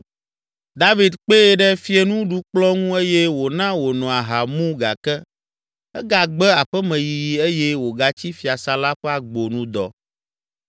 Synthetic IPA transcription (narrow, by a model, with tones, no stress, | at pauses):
d̪a˦vi˨d̪k͡pe˦ɛ˨ɖɛ˦fi˦e˨nũ˦ɖu˦k͡plɔ˦ŋũ˦e˦jɛ˦wo˨nã˦wo˨nɔ̃˨a˨ɦa˨mũ˦ɡa̰˨kɛ˦ | ɛ˦ɡa˨ɡ͡bɛ˦a˨ɸɛ˦mɛ̃˨ji˨e˦jɛ˦wo˨ɡa˨t͡ɕi˦fi˨a˨sa˨la˦ɸɛ˦a˨ɡ͡bo˨nũ˦d̪ɔ̰˨